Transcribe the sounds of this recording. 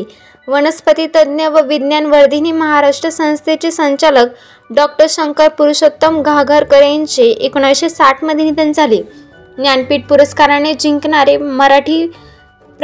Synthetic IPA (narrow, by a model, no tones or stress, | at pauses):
ʋənəspət̪it̪əd̪njəʋəʋid̪njanʋəɽd̪ʱiniməɦaɾaʂʈɾəsə̃w̃st̪ʰet͡ɕesəɲt͡ɕalək | ɖɔk̚ʈəɾɕəŋkəɾpuɾuɕot̪ːəmɡʱaɡʱəɾkəɾjaɲt͡ɕeʔekoɳaʋjɕesaʈʰməd̪ʱjinid̪ənd͡zʱali | njanpiːʈ̚puɾəskaɾaned͡ʑiŋkɳaɾeməɾaʈʰiː | p